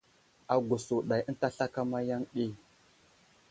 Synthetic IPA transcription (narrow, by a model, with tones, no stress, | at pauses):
a˨ɡo˨su˨ɗa˨jə˦n˦ta˦ɬa˦ka˦ma˦ja˦ŋɗi˦